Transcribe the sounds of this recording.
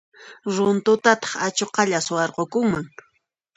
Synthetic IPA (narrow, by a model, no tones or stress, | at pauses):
ɾʊnt̪ʊt̪at̪ɑ̥χat͡ʃoqɑʎaswɑɾqokʊŋmaŋ